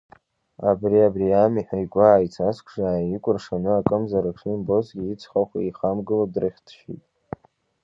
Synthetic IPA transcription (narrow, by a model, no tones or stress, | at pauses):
abriabriamiħʷᶣaikʷʼaːjt͡sʰaskʷʰʐaikʷʼʊrʂanɨakʼɨmzaɾaʈ͡ʂʰimbo̞sɡʲiit͡sʰχaχʷaiχamɡɨladrɨχʲtʰʃḭtʼ